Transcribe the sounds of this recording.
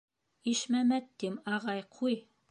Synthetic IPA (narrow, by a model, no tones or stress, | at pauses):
iʃmæmæt̪ːimɑʁɑjqʰuj